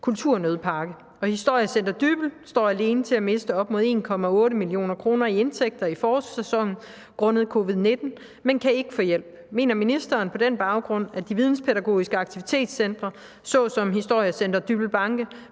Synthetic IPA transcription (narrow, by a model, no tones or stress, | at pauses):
kʰult͡sʰuɐ̰nøð̞ˠpʰɑ̈ːɡ̥ə | ɒ̽hisd̥o̝ɐ̰jæsend̥ɐd̥yb̥l̩sd̥ɒ̰ːæle̝ːnət͡sʰe̝læme̝sd̥əɒ̽b̥̚mɔ̝ðˠe̝̰ːnkʰɒ̽mæɔ̽ːɾəmilio̝̰ːnɐkʰʁo̝ːnɐie̝nt͡sʰeɡ̥̚d̥ɐifɒːsesɒ̽ŋ̰n̩ | ɡ̥ʁɔ̽nəð̞̩ˠkʰo̝ːʋið̞ˠne̝d̥n̩ | menkʰæe̝ɡ̥əfɔ̽jel̰b̥me̝̰ːnɐminisd̥ɐːnpʰɒ̽d̥enb̥ɑ̈ʊɡ̥ʁɔ̽n̰æd̥iʋið̞ˠn̩spʰeɾæɡ̥o̝̰ːisɡ̥əɑ̈ɡ̥̚t͡sʰiʋit͡sʰe̝̰ːd̥sen̰d̥ʁɐ | sɒ̽sɒ̽mhisd̥o̝ɐ̰jæsend̥ɐd̥yb̥l̩b̥ɑ̈ŋɡ̥ə